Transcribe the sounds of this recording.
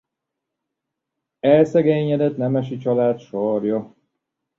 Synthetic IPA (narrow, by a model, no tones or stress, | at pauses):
ɛlsɛɡeːɲɛd̪ɛt̪nɛmɛʃit͡ʃɒlaːt̪ʃɒrjɒ